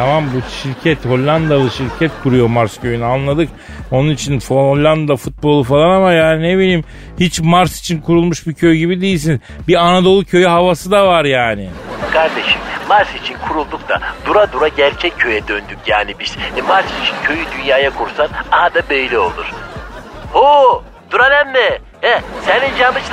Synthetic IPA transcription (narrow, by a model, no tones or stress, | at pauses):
t̪ʰamambuʃiɾcʰɛt̪ho̞lʲːand̪alˠɯʃiɾcʰɛt̪kʰuɾujo̞maɾscʰø̞jynyanlˠad̪ɯk | onunit͡ʃʰinfolʲːand̪afut̪̚bo̞lˠufalˠanamajaːnineβilʲiːm | hit͡ʃmaɾsi̥t͡ʃʰinkʰuɾulˠmuʃbicʰøjyɟibid̪ejilʲs̬iniz | bianad̪o̞lˠucʰø̞jyhavasɯd̪avaɾjaːnɪkʰaɾd̪e̞ʃimmaɾsit͡ʃʰinkʰuɾulˠd̪uk̚t̪ʰa̰d̪uɾad̪uɾaɟæɾt͡ʃʰɛcʰːø̞jɛd̪ønd̪ycjaːnibiz̥ɛmaɾsit͡ʃʰincʰøjyd̪ynjaːjakʰuɾsanaɦad̪abejlʲɛo̞lˠuɾ̥ | ho | d̪uɾanɛmnɛ | ɛsɛnind͡ʒamɯt͡ʃʰ